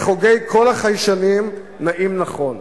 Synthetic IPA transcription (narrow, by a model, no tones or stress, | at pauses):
χoɡe̞jkʰo̞laχajʃanim | naʔimnaχo̞n